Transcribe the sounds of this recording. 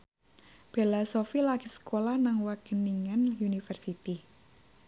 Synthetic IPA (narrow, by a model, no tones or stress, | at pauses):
b̥elasofilaɡ̥i̤sə̥kolahnaŋwaɡ̥əniŋanunifərsit̪i